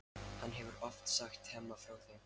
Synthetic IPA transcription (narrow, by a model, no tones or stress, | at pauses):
hanːɦɛvʏɾɔft̪saxt̪hɛmːafɾawθem